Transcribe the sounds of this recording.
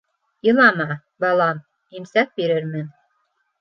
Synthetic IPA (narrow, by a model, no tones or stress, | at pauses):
jɤ̆lˠɑmɑ | bɑlˠɑm | imsæk̚biɾɘɾmɘn